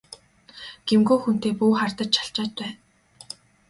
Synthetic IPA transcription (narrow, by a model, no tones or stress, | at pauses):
ɡ̥emɡuːxun̥t̪eːpuːχart̪ə̆t͡ɕt͡ɕʰḁɬt͡ɕaːt̪̚pæːn